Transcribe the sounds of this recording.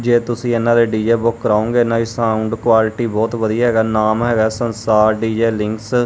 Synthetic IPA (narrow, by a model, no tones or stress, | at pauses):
d͡ʒeːt̪ʊsĩːeːnãːd̪eːɖiːd͡ʒeːbʊkːəɾaːõːŋɡeːnãːʋisãːʊɳɖkwaːlɪʈiːbɔːt̪ʋəd̪ijaːɦɛːɡaːnaːmɦɛːɡaːsənsaːɾɖiːd͡ʒeːlɪ̃ŋks